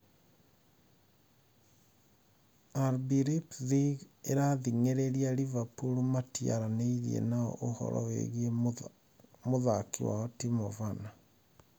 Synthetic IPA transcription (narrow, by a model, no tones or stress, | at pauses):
aɾbiɾipðiɣeɾaðiŋeɾeɾialivapuɾomatia̰ɾaneiɾiḛnaɔ̰ʔohɔ̰ɾɔ̰wḛɣie | moðakiwa̰ɔtimovana